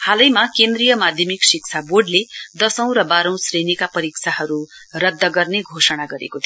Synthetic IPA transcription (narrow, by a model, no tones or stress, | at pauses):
halʌjmakend̪rijʌmad̪ʱjʌmiksik̚t͡sʰaboɖled̪ʌsʌ̃w̃ɾʌbaɾʌ̃w̃srenikapʌɾikt͡sʰaɦʌɾurʌd̪ːʌɡʌrneɡʱosʌɽ̃aɡʌɾḛkot̪ʰ